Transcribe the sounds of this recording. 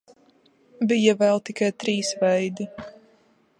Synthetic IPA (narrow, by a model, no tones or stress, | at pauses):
bijavɛlˠt̪ikajt̪ɾiːsvɛjd̪u